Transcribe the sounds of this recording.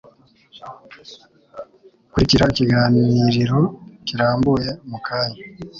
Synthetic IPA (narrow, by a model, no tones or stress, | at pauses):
kuɾiciɾaiciɡaːniɾiɾo̞ciɾaːmbuje̞mukʰaːɲa